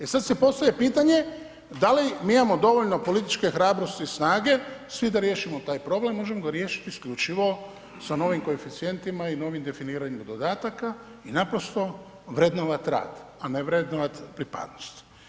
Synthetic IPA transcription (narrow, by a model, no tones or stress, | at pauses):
esad̪sepo̞st̪ajepiːt̪aɲe̞ | d̪alimiːimamo̞d̪o̞ʋoʎno̞po̞lit̪i̥t͡ʃke̞xɾaːbɾo̞st̪iːsnaːɡe̞sʋid̪aɾje̞ːʃimot̪aːjpɾo̞ble̞mːoʒemoɡaɾjeːʃi̥t̪iːskʎut͡ʃiʋo̞ | sano̞ʋimko̞efit̪sije̞nt̪imaino̞ːʋimd̪e̞finiːɾaɲimad̪o̞d̪aːt̪aka | inapɾo̞st̪o̞ | ʋɾed̪noʋat̪ɾa̰ːd̪aneʋɾed̪noʋat̪pɾipa̰d̪no̥st̪